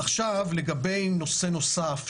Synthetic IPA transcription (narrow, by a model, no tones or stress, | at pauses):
aχʃavle̞ɡabe̞jno̞seno̞saf